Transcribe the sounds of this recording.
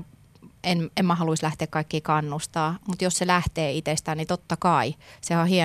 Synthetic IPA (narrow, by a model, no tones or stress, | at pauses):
enemmæhɑluislæht̪eːkkɑikːiːkɑnːust̪ɑːmut̪josselæht̪eːit̪est̪æːnit̪ot̪ːɑkɑisehɑhie